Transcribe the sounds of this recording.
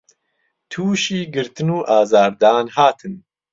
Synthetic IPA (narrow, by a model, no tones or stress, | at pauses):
t̪ʰuːʃiːɡɨɾt̪ɨnuːʔaːzaːɾd̪aːnhaːt̪ʰɨn